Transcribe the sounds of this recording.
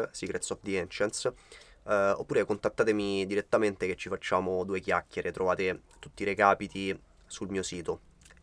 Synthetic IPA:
sikɾet̪sɔfd̪iɛnt͡ʃɛnt̪s | o̰pːuːɾekont̪at̪ːaːt̪emid̪iɾet̪ːament̪eket͡ʃːifat͡ʃːaːmod̪uːekjakʲːjeɾʔet̪ɾovaːt̪et̪ut̪ːiɾekaːpit̪i | sulmiːosiːt̪o

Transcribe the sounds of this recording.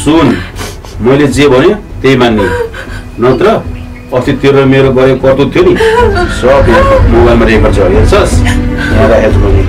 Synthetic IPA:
sun | mʌjled͡zebʱʌnjot̪ejmanːi | nʌt̪ɾʌ | ʌst̪it̪iɾemeɾoɡʌɾekʌrt̪ut̪ʰjonisʌpimobajlmaɾepʌrt͡sʰʌʌɾiert͡sʰʌsjãɾaɦed͡zɡone

